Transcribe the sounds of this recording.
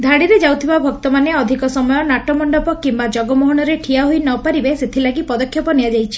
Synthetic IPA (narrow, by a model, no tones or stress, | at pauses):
d̪ʱaɽiɾed͡ʒawt̪ʰibabʱɔkt̪ɔmaneɔd̪ʱikɔsɔmɔjɔnaʈɔmɔɳɖɔpɔkimbad͡ʒɔɡɔmɔɦɔɽ̃ɔɾeʈʰiaɦojnɔpaɾibeset̪ʰilaɡipɔd̪ɔkʰːjɔpɔnijad͡ʒajt͡ʃʰi̥